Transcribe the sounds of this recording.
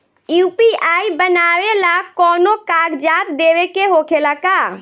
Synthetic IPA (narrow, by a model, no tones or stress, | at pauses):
juːpiaːibənaʋelakɔːnokaɡd͡ʒaːt̪d̪eʋekeɦokʰelaka